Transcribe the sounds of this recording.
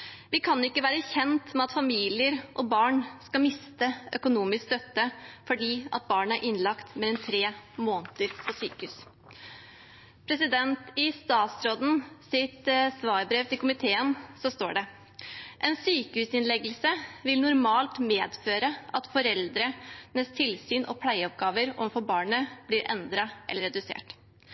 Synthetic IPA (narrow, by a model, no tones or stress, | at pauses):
ʋɪkʰɑnɪkːəʋæːɾəçɛnt̪mɛɑt̪fɑmiːlɪəɾʔɔbɑːɳskɑmɪst̪əœ̰kʊnuːmɪskst̪œt̪ːəfɔɖiːɑ̰t̪̚bɑːɳəæɾʔɪnːlɑkt̪mɛlɛnt̪ʰɾeːmoːnt̪əɾpʰɔsyːkəʉːs | pʰɾɛsɪd̪ɛnt̪ɪst̪ɑːt̪sɾoːd̪n̩sɪt̪sʋɑːɾbɾeːʋt̪ʰɪlkʊmɪt̪ʰeːənsɔst̪oːɖɛ | ʔɛnsyːkəhʉːsɪnlɛɡəlsəʋɪlnʊɾmɑːlt̪meːd̪føːɾəɑt̪fɔɾɛld̪ɾənɛst̪ʰɪlsyːnʔɔ̰pʰlæɪɔp̚ɡɑːʋəɾɔ̰ʋnfɔbɑːɳəb̥liːɾʔɛ̰nd̪ɾɑʔɛ̰lːəɾɛd̪ʉsḛːʈ